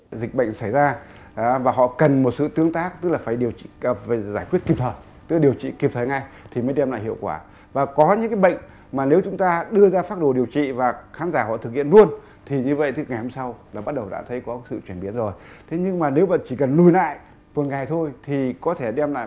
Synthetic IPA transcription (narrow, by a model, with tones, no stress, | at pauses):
zï˨˩k̚ɓə̰˧˨jŋ̟sa˧˩jzaː˧˨ | vaː˨˩ɦɔ̰˧˨kə˨˩nmo˨˩t̚sɨ̰˧˨t̪ɨ˨˦əŋt̪aː˦˥k̚t̪ɨ˦˥k̚laː˨˩faː˧˩jɗi˨˩əwt͡ɕḭ˧˨˩faː˧˩zaː˧˩jkwt̚ki˨˩p̚t̪ʰəː˨˩j | t̪ɨ˦˥˨ɗi˨˩əwt͡ɕḭ˧˨ki˨˩p̚t̪ʰəː˨˩ŋa˧jt̪ʰi˨˩məː˨˦jɗɛ˧mla̰˧˨hḭ˧˨əwkwaː˧˩ | vaː˨˩kɔ˨˦ɲɨ̰˧˥ŋka˨˦jɓə̰˧˨jŋ̟ | maː˨˩ne˨˦wt͡ɕʊ˨˦ŋ͡mt̪aː˧ɗɨ˧əzaː˧faː˦˥t̚ɗo˧˩ɗi˨˩əwt͡ɕḭ˧˨vaː˨˩xaː˨˦nzaː˧˩hɔ̰˧˨t̪ʰɨ˨˩k̚hḭ˧˨ənlu˧ən | t̪ʰi˨˩ɲɨ˧və̰˧˨jt̪ʰɨ˦˥ŋa˨˩jho˧msa˧wlaː˨˩ɓa˦˥t̚ɗə˨˩wɗa̰ː˧˥t̪ʰə˨˦jkɔ˨˦sɨ̰˧˨t͡ɕwi˧˩ənɓi˨˦ənzo˨˩jt̪ʰe˨˦ɲɨ˧ŋmaː˨˩ne˨˦wvə̰˧˨nt͡ɕi˧˩kə˨˩nlu˧˩jla̰ː˧˨j | ku˨˩ənŋa˨˩jt̪ʰo˧jt̪ʰi˨˩kɔ˨˦t̪ʰe˧˩ɗɛ˧mla̰ː˧˨